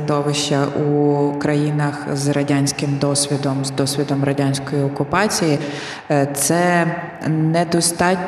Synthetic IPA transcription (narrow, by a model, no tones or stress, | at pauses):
d̪ɔʋɪʃt͡ʃːɐʔukɾɐjinɐxzrɐdʲanʲsʲkɪmd̪ɔsʲʋʲid̪ɔmzd̪ɔsʲʋʲid̪ɔmrɐdʲanʲsʲkɔjiɔkʊpɑt͡sʲiji | t̪sɛ | nɛd̪ɔst̪ɑtʲ